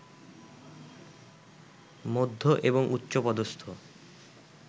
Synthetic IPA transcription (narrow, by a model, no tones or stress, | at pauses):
mod̪ʱːoʔeboŋʔutːɕopɔd̪ost̪ʰo